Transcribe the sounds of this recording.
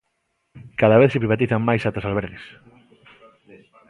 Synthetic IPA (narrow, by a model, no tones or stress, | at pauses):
kaðaβeθsepɾiβat̪iθaŋmajsat̪asalβeɾɣes